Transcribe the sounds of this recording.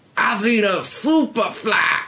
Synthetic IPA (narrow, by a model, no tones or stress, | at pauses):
aziɾəsupəfla̰